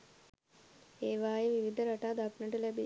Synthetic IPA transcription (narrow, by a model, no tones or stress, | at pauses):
eːʋaːjeʋiʋid̪əɾaʈaːd̪aknəʈəlæbi